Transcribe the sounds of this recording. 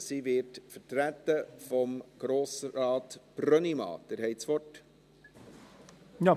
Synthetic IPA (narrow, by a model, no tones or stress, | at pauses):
sivɪtfəɾtɾæt̪ːəfɔmɡ̥ɾoːsɾɑːt̪b̥rœnimɑ̰ːd̪̥əɾhɛɪsʋɔt | jɑ